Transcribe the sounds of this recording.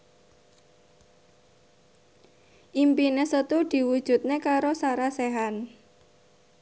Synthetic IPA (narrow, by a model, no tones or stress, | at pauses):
ʔimpinesət̪ud̪̥i̤wud̥ʒ̥ṳt̪̚nekaɾosaɾaseɦan